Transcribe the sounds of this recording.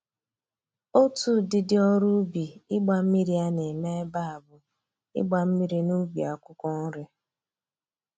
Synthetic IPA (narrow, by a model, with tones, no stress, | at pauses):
o˦tu˦dɪ˦dɪ˦ɔ˦ɾu˦bi˨ɪ˦ɡ͡ba˨m̩˦mi˦ɾi˦a˦ne˨me˦ba˦a˨bʊ˨ | ɪ̰˦ɡ͡ba˨m̩˦mi˦ɾi˦nu˦ɡ͡bi˨a˨kʷʊ˦kɔ˦n̩˦ɾɪ˦